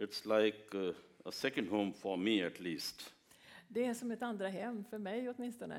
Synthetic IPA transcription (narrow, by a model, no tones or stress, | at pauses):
ɪtslaɪkəəsɛkə̃ndɦõʊ̃mfɔmiætʰliːst | d̪ɛæʂɔmɛt̪and̪ɾaɦɛmːfœɾmɛjɔt̪mɪnst̪ɔnə̰